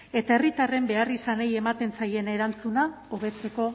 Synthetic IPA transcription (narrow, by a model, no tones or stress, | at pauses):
e̞t̪ae̞rit̪are̞mbe̞arisane̞je̞mat̪e̞nt͡saje̞ne̞ɾant͡suna | oβ̞e̞t͡se̞ko̞